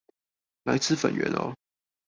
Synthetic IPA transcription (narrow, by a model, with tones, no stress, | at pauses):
la˧˥ɪt͡sʰɹ̩˥˨fə˨˩nɥɛ̰˧˦nɔ̰˦